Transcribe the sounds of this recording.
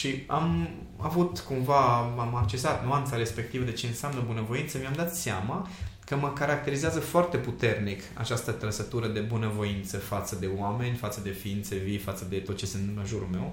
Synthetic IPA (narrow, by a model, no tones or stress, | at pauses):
ʃiam | a̰vut̪kumvaamak̚t͡ʃe̞sat̪nuant̪saɾe̞spe̞k̚t̪ivəd̪et͡ʃe̞ɨnsamnəbunəvo̞int̪səmiamd̪at̪seamakəməkaɾak̚t̪e̞ɾizeɪazəfoart̪e̞put̪e̞rnika̰t͡ʃast̪ət̪ɾəsət̪uɾəd̪e̞bunəvo̞int̪səfat̪səd̪e̞wame̞nʲfat̪səd̪e̞fiint̪sevifat̪səd̪e̞t̪ot̪t͡ʃe̞sɨnt̪ɨmləʒuɾulme̞w